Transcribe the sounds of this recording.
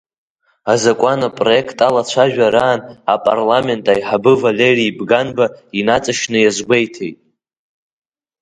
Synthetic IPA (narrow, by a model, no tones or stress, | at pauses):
azakʷʼanapʼroe̞kʰtʼalat͡ɕʷʰaʒᶣaɾaːna̰pʼa̰rlame̞ntʼajħabɨvale̞riːbɡanbainat͡sʼaʃnɨjazɡʷejtʰe̞̰jtʼ